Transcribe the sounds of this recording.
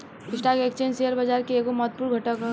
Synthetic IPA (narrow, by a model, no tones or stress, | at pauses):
ɪsʈakeːkt͡ʃẽnseəɾbɐd͡ʒaːɾkeeːkomɔt̪̚puɾɡʱɐʈək